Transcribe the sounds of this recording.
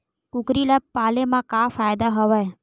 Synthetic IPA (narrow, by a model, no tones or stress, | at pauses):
kukɾilapalemãkafajd̪aɦəʋaj